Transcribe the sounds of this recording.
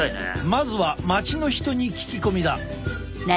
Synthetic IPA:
mazɨβamat͡ɕino̞çi̥t̪o̞ɲ̟ikʲi̥kʲiko̞mʲid̪a

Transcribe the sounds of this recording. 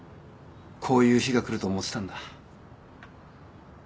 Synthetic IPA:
kʰo̞ːjɯ̟ːçiɡakɯ̟ɾɯ̟t̪o̞ːmo̞t͡sɨ̥t̪ãnd̪a

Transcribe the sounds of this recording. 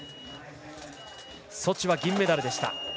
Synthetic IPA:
so̞t͡ɕiβaɡʲĩmːe̞d̪aɾɯ̟d̪e̞ɕi̥t̪a̰

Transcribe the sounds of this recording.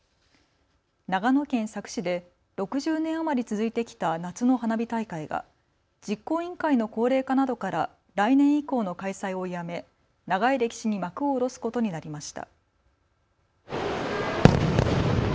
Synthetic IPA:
naɡano̞kẽ̞ɰ̃sakɯ̟̥ɕid̪e̞ | ɾo̞kɯ̟ʑɨːnẽ̞ɰ̃amaɾʲit͡sɨzɨit̪e̞kʲi̥t̪anat͡sɨno̞hanabʲit̪aikaiɡa̰ | d͡ʑikːo̞ːĩŋkaino̞ko̞ːɾe̞ːkanad̪o̞kaɾa | ɾainẽ̞ɰ̃iko̞ːno̞kaisaio̞jame̞ | naɡaiɾe̞kʲi̥ɕiɲ̟imakɯ̟o̞ːɾo̞sɨ̥ko̞t̪o̞ɲ̟inaɾʲimaɕi̥t̪a̰

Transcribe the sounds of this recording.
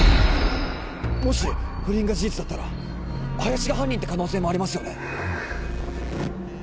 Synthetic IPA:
mo̞ɕiɸɯ̟ɾʲĩŋɡaʑid͡ʑit͡sɨd̪at̪ːaɾa̰ | ajaɕiɡaɦãɲ̟ːĩnt̪ekano̞ːse̞ːmo̞aɾʲimasɨjo̞ne̞

